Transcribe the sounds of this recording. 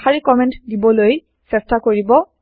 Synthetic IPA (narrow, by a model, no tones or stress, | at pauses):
xaɹikɔmɛ̃ntdibɔloj | sɛstakoɹibɔ